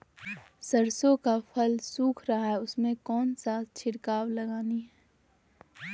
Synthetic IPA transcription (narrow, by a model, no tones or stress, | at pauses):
səɾsõkapʰəlsuːkʰɾɐɦaɦɛʊsmẽkɔːnsaːt͡ʃʰɪɽkaːwlɐɡaːniɦɛː